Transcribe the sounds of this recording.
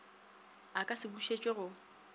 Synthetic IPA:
akʼasɪbuʃet͡ʃʼeɣʊ

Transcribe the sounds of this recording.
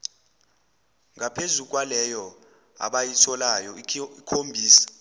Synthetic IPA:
ŋʱapʰezuk̬ʼwalɛjɔ | a̰ɓajitʰɔlajɔikʰombʱiːsḁ

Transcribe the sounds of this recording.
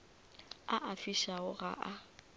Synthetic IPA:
aʔafiʃaʊɣa̰ʔa

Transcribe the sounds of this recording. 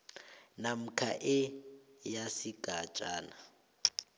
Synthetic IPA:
nam̩kʰa̰ʔɪjasiɡ̥ʼʱat͡ʃʼaːna

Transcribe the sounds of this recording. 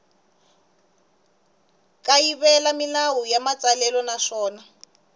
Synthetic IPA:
kʼajiβɛlamilawujamat͡sʼalɛlɔnaʂɔːna

